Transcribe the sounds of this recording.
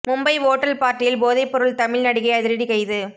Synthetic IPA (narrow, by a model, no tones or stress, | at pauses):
mʊmbɐɪʋoːʈːɐlpaːɾʈːɪjɪlboːðɐɪpːɔɾɯɭt̪ɐmɪlnɐɽɪɣɐɪɐðɪɾɐɽikɐɪðɯ